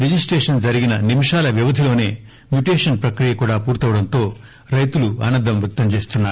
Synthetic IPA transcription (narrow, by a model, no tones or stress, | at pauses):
ɾid͡ʒisʈɾeːʂɐnd͡ʒɐɾiɡinɐnimiʂaːlɐʋjiʋɐd̪ʱilo̞ːne̞ː | mjuʈeːʂɐnpɾɐkɾijɐkuːɽaːpuːɾt̪ɐʋɐɽɐnt̪o̞ː | ɾɐjt̪ulua̰ːnɐnd̪ʱːɐmʋjɐk̚t̪ɐmt͡ʃe̞ːst̪unːaːu